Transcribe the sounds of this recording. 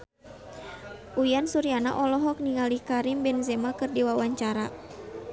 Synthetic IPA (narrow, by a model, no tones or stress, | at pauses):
ʔujansuɾiana̰ʔɔlɔɦɔk̚niŋalikaɾimbɛnzɛmakɨrdiwawaɲt͡ʃaɾa